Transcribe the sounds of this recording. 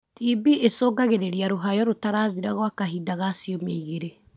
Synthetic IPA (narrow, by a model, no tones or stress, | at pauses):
tibiʔesɔːɡaɣeɾeɾiaɾoɦajɔɾotaɾaːðiɾaɣwakaɦiːdaɣaːsiɔmeiɣeɾe